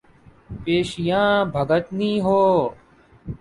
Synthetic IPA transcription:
peːʃijãːbʱəɡət̪niːɦoː

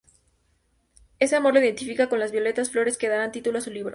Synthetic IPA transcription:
e̞se̞amo̞ɾlo̞iðe̞nt̪ifikako̞nlazβjo̞le̞t̪asflo̞ɾe̞ske̞ð̞aβant̪it̪uloasuliβɾo

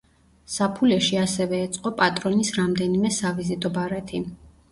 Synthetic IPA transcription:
sapʰulɛʃiasɛvɛːt̪sʼqʼɔpʼat̪ʼɾɔnisɾamd̪ɛnimɛsavizit̪ʼɔbaɾɛt̪ʰi

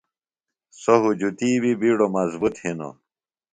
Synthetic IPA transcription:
soɦud͡ʑut̪iːbibiɽomɐzbut̪hino̰

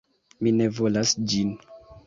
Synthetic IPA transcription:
mine̞vo̞lasd͡ʒin

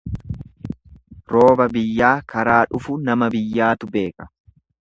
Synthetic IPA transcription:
ɾo̞ːbɐbɪjːaːkɐɾaːᶑʊfʊnɐmɐbɪjːaːt̪ʊbe̞ːkɐ̥

